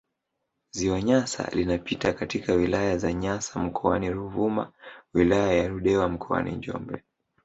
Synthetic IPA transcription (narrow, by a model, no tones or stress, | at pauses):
ziwaɲasa̰linapitakatikawilajazaɲasam̩kʰɔaniɾuvuma̰wilajajaɾuɗɛwam̩kʰɔa̰nḭɲd͡ʒɔ̰mbɛ